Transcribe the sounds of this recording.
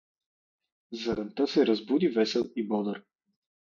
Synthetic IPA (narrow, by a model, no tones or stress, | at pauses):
zɐɾɐnt̪ɤsɛɾɐzbud̪ivɛsɛlˠibɔd̪əɾ